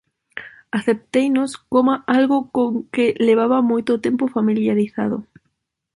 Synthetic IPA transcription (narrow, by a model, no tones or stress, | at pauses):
aθep̚t̪ejnoskomaʔalɣokoŋkeleβ̞aβamojt̪ot̪empofamiljaɾiθa̰ðo̰